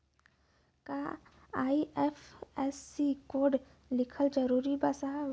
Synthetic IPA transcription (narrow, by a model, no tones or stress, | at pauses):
ka | aːiɛfɛːsːikoːɖ | lɪkʰəld͡ʒɐɾuːɾibasaɦ